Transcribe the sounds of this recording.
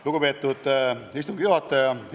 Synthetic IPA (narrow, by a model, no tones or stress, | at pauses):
luɡupe̞ːt̪ːˑud̪̥ist̪uŋɡ̥juɦɑt̪ːˑɑjɑ